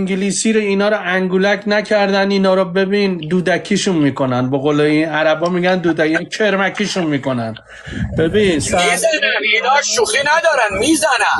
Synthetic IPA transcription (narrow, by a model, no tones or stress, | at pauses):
iŋɡiliːsiːɾoinɒːɾɔæŋɡulækʰnæcʰæɾd̪æniːnɒːɾɔbe̞biːnd̪uːd̪æcʰiːʃunmiːko̞nænbeɣoleiːnæɾæbɒːmiːɡænd̪uːd̪ækincʰe̞ɾmækʰiːʃunmiːko̞næn | b̥ebiːns | inɒːʃuχiːnæd̪ɒːɾænmiːzænæn